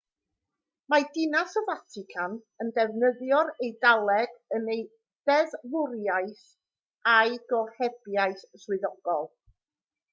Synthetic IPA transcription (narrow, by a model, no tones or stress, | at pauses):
madɪnasɔvatʰɪkʰan | əndɛvnəðjɔɾejdalˠɛɡ̥ənej | ðɛðlˠʊɾjajθ | ajɡ̥ɔhɛbjajθslɨðɔɡ̥ɔlˠ